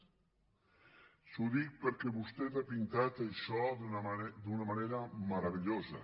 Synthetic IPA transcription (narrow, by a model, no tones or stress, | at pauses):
sud̪ik̚pəɾkɛβust̪ɛt̪apint̪at̪elsɔd̪d̪unamaneɾamaɾaβeʎoza̰